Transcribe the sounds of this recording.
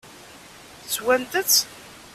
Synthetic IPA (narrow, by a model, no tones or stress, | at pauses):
t͡sːwænt̪ət͡sː